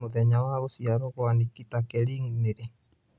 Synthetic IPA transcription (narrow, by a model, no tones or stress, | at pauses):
ud̪ɛɲawaɾusiaɾokoanikit̪akɛliŋnede